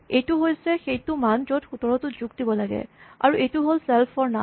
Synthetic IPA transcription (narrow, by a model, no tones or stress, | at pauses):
ejtʊɦojsɛxejtʊmand͡ʒotxutɔɹɔtʊzuɡdibɔlaɡɛ̰a̰ɹuʔejtuɦolsɛlpʰɔɹna